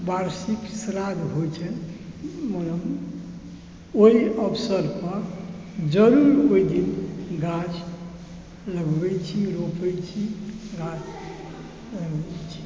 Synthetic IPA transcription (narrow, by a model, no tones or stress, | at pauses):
baɾsiksɾad̪ɦot͡ʃʰɛ | mələm | oiəpʰsəɾpəɾ | d͡ʒəɾuɾoid̪inɡat͡ʃ | ləɡbɛt͡ʃʰiɾopɛjt͡ʃʰiɡat͡ʃ | ləɡɛt͡ʃʰi̥